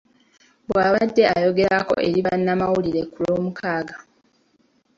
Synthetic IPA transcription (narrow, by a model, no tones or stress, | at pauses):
bwaːβadːe̞ajo̞ɡe̞ɾako̞̰ʔe̞̰ɾiβanːamawuliɾe̞kuloːmukʰaːɡa